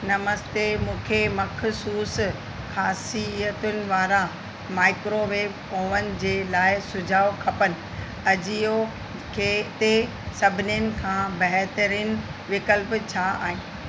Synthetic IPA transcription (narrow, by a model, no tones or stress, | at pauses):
nɐməst̪emũːkʰemɐkʰsuːs | xaːsiət̪ʊnɪ̆ʋaːɾã | maːɪkɾoʋeːb | oːʋənɪ̆d͡ʑeːlaːɪsʊd͡ʑʱaːʋkʰɐpənɪ̆ | ɐd͡ʑijo | kʰeːt̪e | sɐbʱɪnjənɪ̆kʰãːbɐɦt̪əɾiːnɪ̆ʋɪkəlpt͡ɕʰaa̰ːɦɪ̃ːn